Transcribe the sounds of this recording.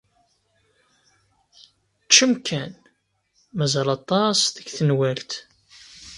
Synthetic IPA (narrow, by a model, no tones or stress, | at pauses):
t͡ʃːəmkʰːæn | mæzɑlɑt̪ˤːɑsðəɡθənwælt̪